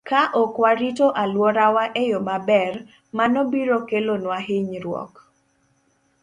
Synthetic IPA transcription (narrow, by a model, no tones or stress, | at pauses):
kaʔɔkwaɾitoʔalwɔɾawaʔejomabɛr | manɔbiɾokelonwaɦɪɲɾwɔ̰k